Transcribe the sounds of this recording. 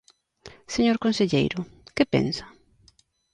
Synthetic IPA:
seɲoɾkonseʎḛjɾʊkɪpḛnsḁ

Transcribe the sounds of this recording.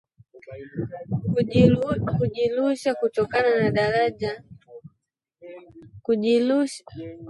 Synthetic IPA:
kuʄiluʃakutɔkananaɗaɾaʄa | kui

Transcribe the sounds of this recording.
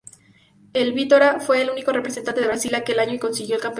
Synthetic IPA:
e̞lβit̪oɾafwe̞ːluniko̞repɾesent̪ant̪eɾasilake̞laɲoiko̞nsiɣjo̞elkamp

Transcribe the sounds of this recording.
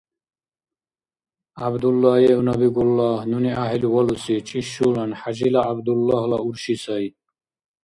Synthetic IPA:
abd̪ulːajeunɐbiɡulːaːɦnuniaɦilwɐlusit͡ʃʼiɕulɐnħaʑilaːbd̪ulːahlɐuɾɕisɐj

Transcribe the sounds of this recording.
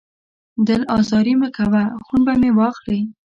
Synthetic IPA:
d̪əlɑzɑɾiməkawaxunbamewɑxli

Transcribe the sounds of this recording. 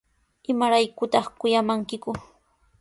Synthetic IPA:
ɪmaɾajkʊt̪ɑχkʊjamaŋkɪkʊ

